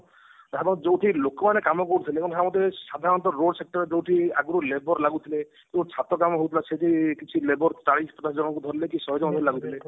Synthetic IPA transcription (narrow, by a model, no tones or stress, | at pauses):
ɦebɔŋd͡ʒowʈʰilokɔmanekamɔkɔɾut̪ʰileekɔnsʰamɔd̪ːesad̪ʱaɾɔnt̪ɔɾoɖsek̚ʈɔɾed͡ʒowʈʰiaɡuɾulebɔɾlaɡut̪ʰile | kewt͡ʃʰat̪ɔkamɔɦowt̪ʰilased̪ʱikit͡ʃʰilebɔɾʈaɽispɔt̪asd͡ʒɔnɔkud̪ʱɔɾlekisɔɦɔd͡ʒɔnɔd̪ʱɔɾilaɡut̪ʰile